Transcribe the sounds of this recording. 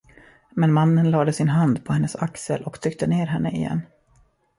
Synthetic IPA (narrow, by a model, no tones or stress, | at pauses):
mɛnmanːənlɑːd̪əsɪnɦand̪pʰɔhɛnːəsa̰ksəlʔɔkt̪ʰɾʏk̚t̪əneːɾɦɛnːəɪ̰jɛ̰nː